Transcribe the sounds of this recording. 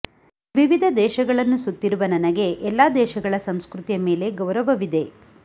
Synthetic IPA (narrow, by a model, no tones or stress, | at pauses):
ʋiʋid̪ʱɐd̪ɛːʃɐɡɐɭɐnːusut̪ːiɾuʋɐnɐnɐɡe̞ʔɛlːaːd̪ɛːʃɐɡɐɭɐsɐmskɾut̪ijɐme̞ːle̞ɡɐʋɾɐʋɐʋid̪e̞